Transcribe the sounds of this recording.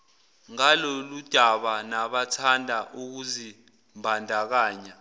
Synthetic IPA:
ŋalɔlud̥ʱaɓanaɓatʰandʱaʔuk̬uzi | mbʱandʱak̬aːɲa

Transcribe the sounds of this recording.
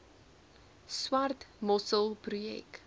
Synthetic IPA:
swɐrtmɔsəlˠprujɛ̰k

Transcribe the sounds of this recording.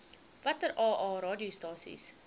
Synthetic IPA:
vɐtəɾʔɑːʔɑːɾɑːdiostɑːsḭs

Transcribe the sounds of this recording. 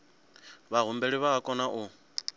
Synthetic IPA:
βaɦumbeɺiβaakʼɔnaʔu

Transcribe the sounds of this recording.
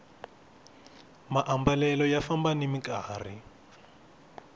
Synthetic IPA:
maʔambalɛlɔjafambanimikaːri

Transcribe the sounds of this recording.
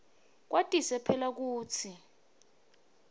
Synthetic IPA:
k̬wʔatʼisɛpʰɛlak̬uːt͡sʰi

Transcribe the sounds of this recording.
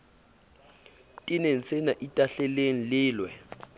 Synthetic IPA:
tʼɪnen̩senaʔitʼaɬɛleŋ̩lɪːlwɛ

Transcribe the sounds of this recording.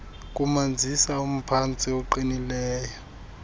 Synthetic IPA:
k̬ʼumand͡zʱisaum̩pʰant͡sʼiɔǃinilɛːjɔ

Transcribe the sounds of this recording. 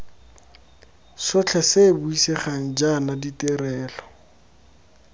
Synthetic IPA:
sʊt͡ɬʰɛsebuiseχaŋ̩d͡ʒanaditɪrɛːlɔ

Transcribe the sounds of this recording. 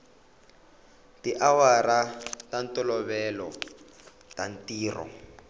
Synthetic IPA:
tiʔawaɾatantʼɔlɔβɛlɔ | tantiːrɔ̰

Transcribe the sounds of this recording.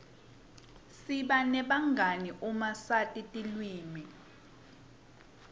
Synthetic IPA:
siɓanɛɓaŋɡʱaniʔumasatʼitʼilwiːmi

